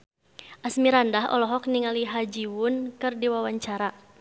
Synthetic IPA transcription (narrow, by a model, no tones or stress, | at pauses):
ʔasmiɾandaɦɔ̰lɔɦɔk̚niŋaliɦad͡ʒiwʊnkɨrdiwawaɲt͡ʃaɾa